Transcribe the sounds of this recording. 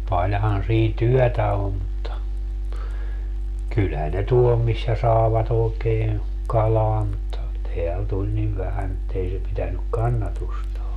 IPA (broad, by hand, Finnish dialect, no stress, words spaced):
pɑlʲhɑn siːn tyœˑtæ om mutːɑ kylhæn ne tuol misːæ sɑeʋɑt oːkeːeˑ kɑlɑː mutːɑ teæl tulʲ niʋ ʋæhæn etːei se pitænyk kɑnːɑtustɑː